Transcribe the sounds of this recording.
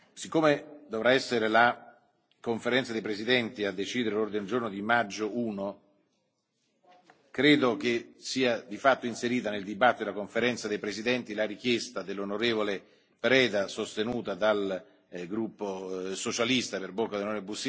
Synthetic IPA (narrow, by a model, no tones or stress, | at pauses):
sikːomed̪ovɾaɛsːeɾela | koɱfeɾɛnt̪sad̪ejpɾezid̪ɛnt̪iad̪ːet͡ʃiːd̪eɾelord̪ined͡ʒornod̪imad͡ʒːouːno | kɾeːd̪ok̟esiːad̪ifat̪ːoinseɾiːt̪aneld̪ibat̪ːitod̪elakoɱfeɾɛnt̪sad̪ejpɾezid̪ɛnt̪ilaɾik̟jest̪ad̪elːonoɾeːvole | pɾɛːd̪asost̪enuːt̪ad̪al | ɡɾupːosot͡ʃalist̪aperbokːad̪enonebusi